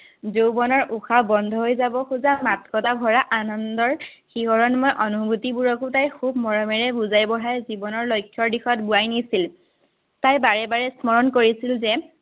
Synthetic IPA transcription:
zobɔnɔɹuxabɔndʱɔɦojzabɔxuzamatkɔtabʱɔɹaʔanɔndɔɹxiɦɔɹɔnmojʔɔnubʱutibuɹɔkʊtajxubmɔɹɔmɛɹɛbuzajbɔɦajzibɔnɔɹlojkʰːjɔɹdixɔt̚buajnisil | tajbaɹɛbaɹɛsmɔɹɔnkoɹisilzɛ

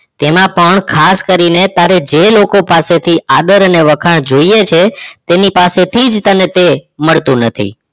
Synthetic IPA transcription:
t̪emãpəɳkʰaskəɾinet̪aɾed͡ʒelokopaset̪ʰiʔad̪əɾəneʋəkʰaɳ̃d͡ʒoijet͡ʃʰet̪enipaset̪ʰid͡ʒt̪ənet̪eməɭt̪ũnət̪ʰḭ

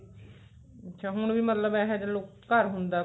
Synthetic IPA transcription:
ətːt͡ʃʰʃʰaːɦʊɳʋiːmət̪ləbɛːɦɛd͡ʒəloːkəɾɦʊ̃nd̪aː

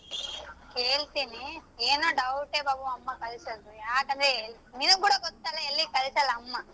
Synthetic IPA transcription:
ke̞ːɭt̪inieːnoːɖɐwʈeːbaːbuɐmːɐkɐlisɐd̪ujaːkɐnd̪ɾe | ninukuːɽɐɡɔt̪ːaːlɐːlːikɐlisaːlɐmːɐ

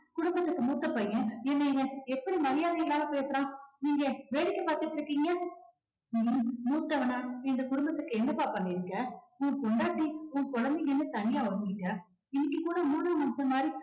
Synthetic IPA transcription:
kʊɽʊmbɐt̪ːɯkːɯmuːt̪ːɐpːɐːjɐ̃ɛnːɐɪɡɐɛpːɐɽimɐɾɪjaːðɐɪlːaːlɐpeːsɯɾãːniːŋɡɐʋeːɽɪkːɐpaːɾt̪ɯʈːɾɯkːiːŋɡɐ | imuːt̪ːɐʋɐnaːɪnd̪ɐkʊɽʊmbɐt̪ːɯkːɯɛnːɐpːaːpɐnːɪɪɾɯkːɐʊ̃ŋɡɐkɔɳɖaːʈːiʊ̃ŋɐkɔɻɐnd̪ɪŋɛnːɯt̪ɐnɪjaːʋɐɡɪʈːɐ | ɪnːɪk̬ːɯkuːɽɐmuːɽɯɾɐmʊmsɐɾɐmaːd̪ɾi

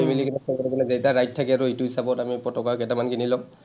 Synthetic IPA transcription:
emilikinasɔkɔlɛkɔlɛzejtaɹajttʰːakɛaɹuituɦisabɔtamipɹɔtɔkakɛtamankinilɔ

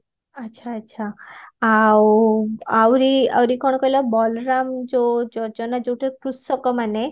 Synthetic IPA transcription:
ətːɕʰaːtːɕʰaaw | awɾia̰wɾikɔɳɔkɔjlɔbɔlɾamd͡ʒod͡ʒɔd͡ʒɔnad͡ʒowʈʰeɾkɾusɔkɔmane

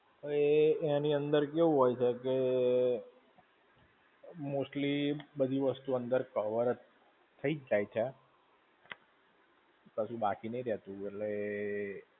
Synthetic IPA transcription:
əeːniənd̪əɾkeʋũɦojt͡ʃʰeke | mosʈlibəd̪ʱiʋəst̪uənd̪əɾkəʋəɾ | t̪ʰːəid͡ʒd͡ʒajt͡ʃʰe | pəʃũbakinəiɾɛɦt̪ũeʈle

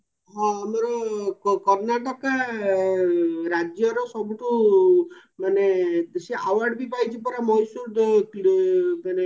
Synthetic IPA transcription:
ɦɔ̃amɔɾɔkɔɾnaʈɔka | ɾad͡ʒjɔɾɔsɔbuʈu | maneseʔawaɾɖbipajt͡ʃʰipɔɾamɔjsuɾd̪ | mane

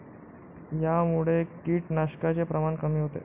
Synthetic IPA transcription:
jamuɭekiːʈnaɕkat͡sepɾəmankəmiːɦot̪ḛ

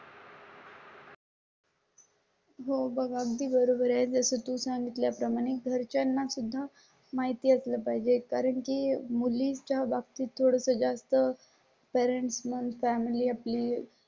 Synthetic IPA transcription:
ɦobəɡaɡd̪iːbəɾobəɾjad͡zəsət̪ũːsaŋɡit̪ljapɾəmaɽ̃eɡʱəɾt͡ɕanːasud̪ʱːa | maɦit̪iːəsləpaɦid͡ʑekaɾəɳkimulist͡ɕabaɡ̚t̪iːt̪ʰːoɽəsəd͡zast̪ə | pɛɾeɳʈsmənd̪fæmiliːapliː

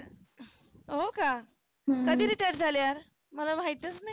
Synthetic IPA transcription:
ɦoka | kəd̪iːɾiʈajɖd͡zʱaljaɾ | məlamaɦit̪ət͡snaj

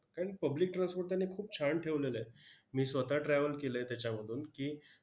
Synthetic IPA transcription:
kaɾəɳpəblik̚ʈɾanspoɾt̪anːekʰuːp̚t͡ɕʰaɳʈʰeʋlelemiːsʋət̪aʈɾɛʋəlkelet̪jat͡ɕjaməd̪ʱuːnkiː

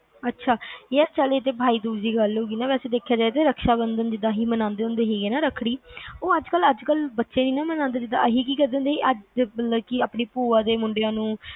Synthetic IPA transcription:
ətːʃʰaːət͡ʃəleːt̪eːbʱaːiːd̪uːd͡ʒiːɡəloːɡiːnaːʋɛːseːd̪eːkʰːjaːd͡ʒaːet̪eːɾəkʰʃaːbənd̪ənd͡ʒɪd̪ãːɦiːmənãːnd̪eːʊ̃nd̪eːɦiːɡeːnaːɾəkʰːɽiːoːəd͡ʒkələd͡ʒkəlbətːʃẽːniːnaːmənãːnd̪aːd͡ʒɪd̪a̰ːəɦiːkiːkəɾd̪ẽːnd̪eːiːʔəd͡ʒbəəkiaːpniːpuːaːd̪eːmʊɳɖeãːnũː

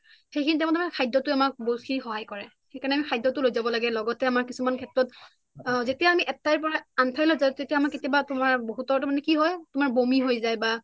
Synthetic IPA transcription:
xejkʰinitɛw̃ntamakʰajdɔtʊamak̚boxixɔɦajkɔɹɛ | xejkaɹnɛamikʰajdːɔtʊlojzabɔlaɡɛlɔɡɔtɛamaɹkisumankʰɛtɹɔt | zetijaːmiʔɛtːajp̬ɔɹaantʰajlozajtetijamaketijabatʊmaɹboɦutɔɔtɔmanɛkiɦɔjtʊmaɹbomiɦojzajba

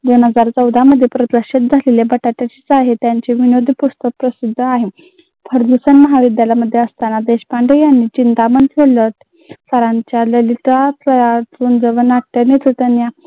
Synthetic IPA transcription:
d̪onəd͡zaɾt͡səwd̪ʱaməd̪ʱːjepɾət̪ɾəɕit̪̚d͡zʱalelebəʈaʈjat͡ɕit͡saɦet̪jaɲt͡ɕiʋinod̪ʱipust̪ək̚pɾəsid̪ʱːəaɦi | pʰəɾd̪usənməɦaʋid̪jaljaməd̪ʱːjeəst̪anad̪eɕpaɳɖəjanːit͡ɕint̪amənʰelə | səɾaɲt͡ɕjaləliʈat͡səjat͡sund͡zəʋənaʈʈenet̪ʰət̪ənja

